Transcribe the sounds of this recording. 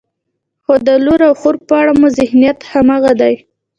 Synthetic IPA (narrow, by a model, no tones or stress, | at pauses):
xod̪əluɾawxoɾpəaɽamʊzɪhnijat̪hamaɣad̪aj